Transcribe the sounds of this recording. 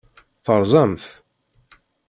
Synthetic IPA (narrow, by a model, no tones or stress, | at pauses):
θəɾˤzˤɑmθ